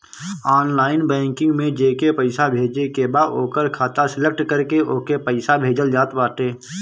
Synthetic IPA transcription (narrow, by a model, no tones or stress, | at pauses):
aːnlaːɪnbɛ̃ːŋkɪ̃ŋɡmẽd͡ʒeːkepəɪsabʱeːd͡ʒekebaːd̪oːkəɾkʰaːt̪asɪlək̚ʈkəɾkeʔoːkepəɪsabʱeːd͡ʒəld͡ʒaːt̪baːʈ̪eː